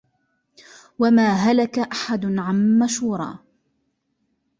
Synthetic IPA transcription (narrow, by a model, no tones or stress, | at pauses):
wamaːɦalakaʔaħad̪ʊnʕanːaʃhuːɾˤɑ̰ː